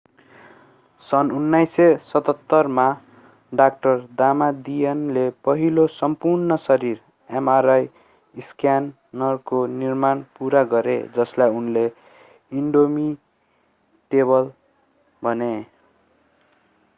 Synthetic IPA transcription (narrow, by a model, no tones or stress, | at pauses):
sʌnunːajsesʌt̪ʌt̪ːʌrma | ɖak̚ʈʌrd̪amad̪ijʌnlepʌɦilosʌmpurnʌsʌɾir | emaɾaj | iskjanː | ʌrkonirmanpuɾaɡʌɾḛd͡zʌslajunle | iɳɖomi | ʈebʌl | bʱʌne